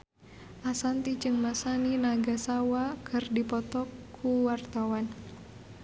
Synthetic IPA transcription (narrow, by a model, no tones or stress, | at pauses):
ʔasant̪id͡ʒɨŋmasaninaɡasawakʰɨrdipɔt̪ɔkʰːuwart̪awan